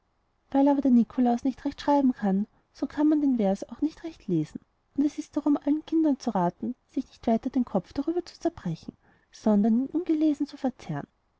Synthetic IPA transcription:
vaɪlaːbɐdeːɐnikʰolaʊsnɪçtʁɛçtʃʁ̥aɪbm̩kʰan | sokʰanmandeːnvɛɐsaʊxnɪçtʁɛçtʰleːzn̩ | ʔʊndɛsɪst̚d̥aʁʊmʔalənkʰɪndɐnt͡suʁaːtn̩sɪçnɪçtv̥aɪtɐd̥eːnkʰɔp͡fd̥aʁyːbɐt͡su̥t͡sɛɐb̥ʁɛçn̩ | sɔndɐniːnʔʊnɡəleːzn̩t͡sufɛɐt͡sɛʁn

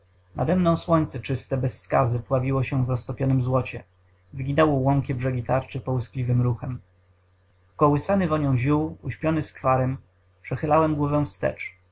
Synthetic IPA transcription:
nʔa̰d̪ɛmnɔ̃w̃swɔɲʲt̪sɛt͡ʂɘst̪ɛbɛsːkazɘpwavʲiwɔɕɛvɾɔst̪ɔpʲjɔnɘmzwɔt͡ɕɛ | vɘɡʲinɛwɔwɔŋkʲɛbʐɛɡʲit̪aɾt͡ʂɘpɔwɘsklʲivɘmɾuxɛm | kɔwɘsanɘvɔɲɔ̃w̃ʑuwuɕpʲjɔnɘskfaɾɛm | pʂɛxɘlawɛmɡwɔvɛw̃fst̪ɛ̰t͡ʂ

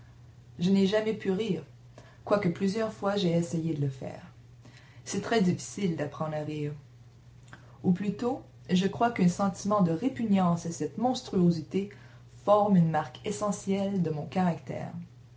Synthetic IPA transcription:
ʒənɛʒamɛpyʁiːʁ | kwakəplyzjœʁfwaʒeesejed̪ələfɛ̰ːʁ | sɛt̪χɛd̪ifi̥sild̪apχɑ̃d̪ʁaʁiːʁ | uplyt̪o | ʒəkχwakɛ̃sɑ̃t̪imɑ̃d̪əʁepyɲjɑ̃sasɛt̪mɔ̃st̪ʁyozit̪e | fɔʁmynmaʁkesɑ̃sjɛld̪əmɔ̃kaʁakt̪ɛ̰ːʁ

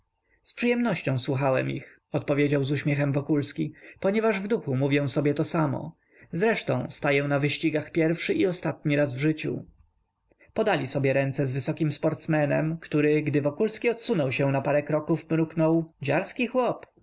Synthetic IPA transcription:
spʂɨjɛmnɔɕt͡ɕɔ̃w̃swuxawɛ̰mḭx | ɔt̪pɔvʲjed͡ʑawzuɕmʲjɛxɛmvɔkulskʲipɔɲɛvaʐvd̪uxumuvʲjɛ̃w̃sɔbʲjɛt̪ɔsamɔ̰ | zɾɛʂt̪ɔ̰̃w̃st̪ajɛ̃navɘɕt͡ɕiɡaxpʲjɛɾfʂɘʔiɔst̪at̪ɲiɾazvʐɘt͡ɕṵ | pɔd̪alʲisɔbʲjɛɾɛnt̪sɛzvɘsɔkʲimspɔɾt̪smɛnɛ̰mkt̪uɾɘɡd̪ɘvɔkulskʲiɔt̪sunɔwɕɛ̃w̃napaɾɛkɾɔkufmɾuknɔwd͡ʑaɾskʲixwɔp

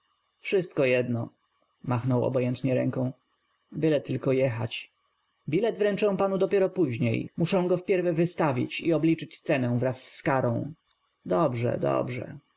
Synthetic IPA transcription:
fʂɘst̪kɔjɛd̪nɔ | maxnɔwɔ̰bɔjɛnt̪ɲɛɾɛŋkɔ̃w̃ | bɘlɛt̪ːɘlkɔjɛxa̰t͡ɕ | bʲilɛd̪vɾɛnt͡ʂɛ̃w̃panud̪ɔpʲjɛɾɔpuʑɲḛjmuʂɛ̃w̃ɡɔfpʲjɛɾvɛvɘst̪avʲḭt͡ɕiɔblʲit͡ʂɘt͡ɕst̪sɛnɛw̃vɾasːkaɾɔ̃w̃ | d̪ɔbʐɛ̰d̪ɔ̰bʐɛ̰

